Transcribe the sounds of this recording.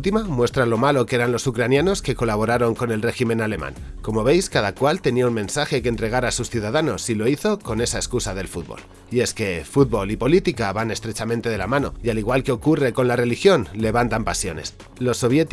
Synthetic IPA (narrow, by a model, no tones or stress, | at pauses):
t̪imamwe̞st̪ɾalo̞malo̞kee̞ɾanlo̞sukɾanjano̞ske̞ko̞laβ̞o̞ɾaɾo̞ŋko̞ne̞lre̞ximẽ̞nale̞mã̰ŋko̞mo̞βe̞jskaðakwalt̪e̞niaunmẽ̞nsaxe̞keːnt̪ɾe̞ɣ̞aɾasusθjuð̞aðano̞silo̞iθo̞ko̞ne̞saeskusaðe̞lfud̪̚βo̰l | ie̞ske̞fut̪̚βo̞lipo̞lit̪ikaβane̞st̪ɾe̞t͡ʃament̪e̞ðe̞lamãno̞̰ialiɣ̞walke̞o̞kure̞ko̞nlare̞lixjo̞nle̞βant̪ampasjo̞ne̞̰s | lo̞sːo̞β̞je̞t̪